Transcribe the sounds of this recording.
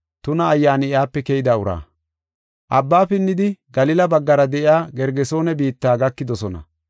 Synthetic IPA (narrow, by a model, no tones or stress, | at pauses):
t̪ʊnɐːjːaːnɪjaːpːɛkɛjɪd̪aʊɾa̰ː | ʔɐbːaːpɪnːɪd̪ɪɡɐlɪlɐbɐɡːɐɾɐd̪ɛʔɪaːɡɛɾɡɛso̞ːnɛbiːt̪ːaːɡɐkːɪd̪ɔsɔnɐ̰